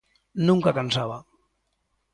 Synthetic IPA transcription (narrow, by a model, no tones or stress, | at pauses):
nuŋkakansaβa